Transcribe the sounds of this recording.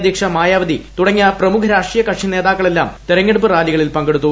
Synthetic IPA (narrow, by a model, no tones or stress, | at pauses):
d̪ʱjiːkʂɐmaːjaːʋɐd̪it̪uɽɐŋːɐprɐmukʰɐɾaːʂʈrijɐkɐʂine̞ːd̪aːkːɐɭelːaːmt̪eɾɐŋːeɽup̬ːɨraːliɣɐɭilpɐŋɡe̞ɽut̪ːu